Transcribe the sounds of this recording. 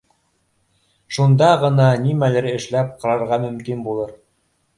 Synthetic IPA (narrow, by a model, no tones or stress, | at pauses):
ʃund̪ɑʁɤ̆nɑnimælɘ̆ɾɘ̆ʃlæp̚qɑ̆ɾɑɾʁɑmɵ̆mkinbulˠɤɾ